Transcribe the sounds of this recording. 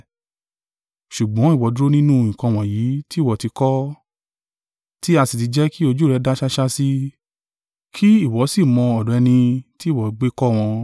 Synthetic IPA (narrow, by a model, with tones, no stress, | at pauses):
ʃu˨ɡ͡bɔ̃˨˦i˦˨wɔ˨˦du˦ɾo˦nĩ˦nũ˦˨ĩ˨kã˧w̃ɔ̃˨ji˨˦ti˦˨wɔ˨ti˧kɔ˦ | ti˦a˧si˨ti˨˧d͡ʒɛ˦ki˦o˧d͡ʒu˦˨ɾɛ˨˧˦da˦ʃa˦ʃa˦si˦ | kʰi˦i˦˨wɔ˨˦si˦˨mɔ̃˧ɔ˨dɔ˨˦ɛ˧nĩ˧ti˦˨wɔ˨˧ɡ͡be˦kɔ˦w̃ɔ̃˧